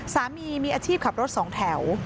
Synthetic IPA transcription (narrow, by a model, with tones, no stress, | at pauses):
saː˩˦miː˧miː˧ʔaː˧t͡ɕʰiː˥˩p̚kʰa˨˩ɾo˦˥t̪̚sɔː˩˦ŋt̪ʰɛ˩˦w